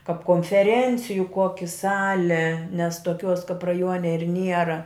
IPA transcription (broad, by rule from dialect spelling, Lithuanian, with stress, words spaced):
kɐp koːnʲfʲɛˈrʲɛnʲt͡sʲɪjʊ ˈkoːkʲɪ ˈsɑːlʲɪ nʲɛs toːˈkʲuɔs kɐp rɐˈjuɔnʲɛ ɪr ˈnʲiɛrɐ